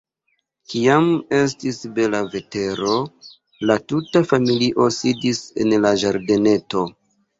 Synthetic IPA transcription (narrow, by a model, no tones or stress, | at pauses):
kiame̞s̬tisbe̞lave̞te̞ɾo̞ | latutafamiliʔo̞sidise̞̰nlaʒaɾde̞ne̞to̞